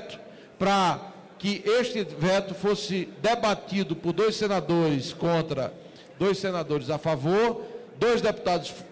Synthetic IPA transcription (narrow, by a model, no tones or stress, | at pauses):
t̪ʊ̥ | pɾɐ | kɪʔeʃt̪ɪvɛt̪ʊfosɪd̪ebat̪id̪ʊpʊɾd̪ojsːenad̪oɾɪskõnt̪ɾɐ̰ | d̪ojsenad̪oɾɪzafavoɾd̪ojzd̪epu̥t̪ad̪ʊsf